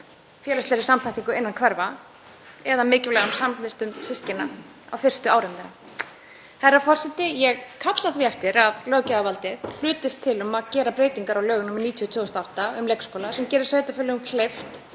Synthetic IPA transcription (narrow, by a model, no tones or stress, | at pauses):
fjɛːlast̪ɛːɾɪ̥samt̪ʰaht̪iŋkʏɪnːankʰvɛɾva | ɛðamɪːcɪlɛɣansamvɪst̪ʏmsɪscɪnːa | a̰wfɪr̥st̪ʏawɾʏmːɾa | hɛrːafɔr̥sɛt̪ːɪjɛɣkʰat̪laθviɛft̪ɪɾaðlœːɣcaavalt̪ɪðl̥ʏːt̪ɪst̪ʰːɪlʏmaðcɛːɾapɾeːjt̪iŋkaɾawlœːɣʏnɔmɪɾniːt̪ʰiɔt̪ʰoːɔst̪awht̪aʏmlɛjkskoːwlasɛmcɛːɾɪɾ̥seːjt̪afɪlɪɣʏmkʰlejft̪